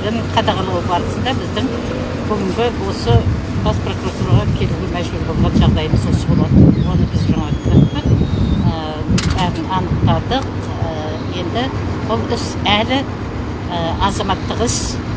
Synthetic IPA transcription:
ɪŋqʰɑd̪ɑʁɑlˠəʁbɑɾəsənd̪ɑbɪzd̪ɪŋ | kʰʲɵɡʲɪŋɡʲɪwo̞sə | bɑspro̞kuroat̪uɾɑʁɑkʲʰe̞luɡʲemæʒbʏɾbo̞lˠʁɑnʒɑʁd̪ɑjəməzosə̥zbo̞lˠɑd̪əwo̞nəbɪzʒɑɴɑpɾt̪pənə | bæʁənɑnəq̚t̪ɑd̪əq | ə | je̞nd̪ɪbʊlˠʏsælɪ | əɑzɑmɑt̪ːəʁəs

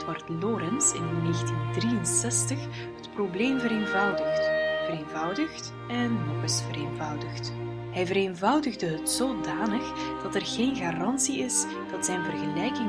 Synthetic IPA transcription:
tʋɑrtlɔːɾɛnsɪ̰nːeːxtindrijənsɛstəx | ɦətprobleːmvəɾeːnvʌwdəxtvəreːnvʌwdəxt | ɛnːɔχɪsfəɾeːnvʌwdəxt | ɦɛjvəɾeːnvʌwdəɣdəɦətsoːdaːnəxd̥ɑtɛrɣeːnɣaːrɑnsiɪs | d̥ɑtsɛjnvərɣəlɛjkɪŋ

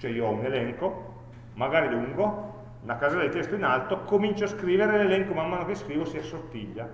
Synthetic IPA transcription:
t͡ʃɛioɔunelɛŋko | maɡaːɾiluŋɡo | nakazad̪et̪ɛst̪oinalt̪okomint͡ʃoaskɾiːveɾelelɛŋkomamːaːnokeskɾiːvosiasːort̪ːiʎːa

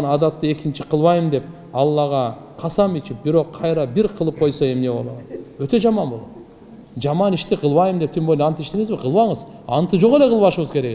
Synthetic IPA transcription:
nɑd̪ɑt̪ːɯe̞kint͡ʃiqʰɯlˠβɑjɯmd̪e̞p̚ | ɑlˠːɑʁɑqʰɑsɑmit͡ʃip̚biɾo̞qʰːɑjɾɑbiɾqʰɯlˠɯp̚qʰojsoe̞mne̞βo̞̰lˠoøt̪ø̞d͡ʒɑmɑnbo̞lˠo̰t̪ | d͡ʒɑmɑniʃt̪iqʰɯlˠβɑjɯmd̪ept̪ʰimbolʲnʲɑnt̪iʃt̪eŋizbiqʰɯlˠβɑɴɯzɑnt̪ɯd͡ʒo̞ʁe̞le̞qʰɯlˠβɑʃɯβɯzkʰe̞ɾeɡ

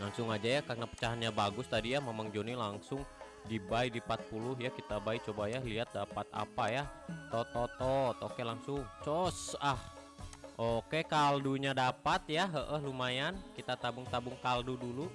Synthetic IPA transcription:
laŋsʊŋad͡ʒajakarnapə̥t͡ʃaɦanɲabaɡʊst̪adijamemaŋd͡ʒonilaŋsʊŋ | dibaidipat̪̚pulʊɦjakit̪abait͡ʃobajaliat̪̚dapat̪̚a̰pajat̪ɔt̪ɔt̪ɔt̪o̰kelaŋsʊŋt͡ʃɔsah | ʔokekalduɲadapat̪jaɦəʔəɦlumajankit̪at̪abʊŋt̪abʊŋkaldudulu

